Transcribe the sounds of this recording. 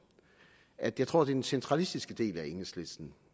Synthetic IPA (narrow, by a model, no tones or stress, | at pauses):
ʔæd̥jɑt͡sʰʁo̝ɐ̰d̥eɐd̥ensent͡sʰʁɑ̈lisd̥isɡ̥əd̥e̝̰ːlæeŋl̩sle̝sd̥n̩